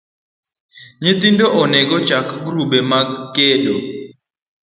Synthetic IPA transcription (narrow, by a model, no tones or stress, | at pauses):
ɲit̪indʼɔʔɔnɛk̬ɔd̥ʒ̥ʱakʰɡruɓɛmakɛːlɔ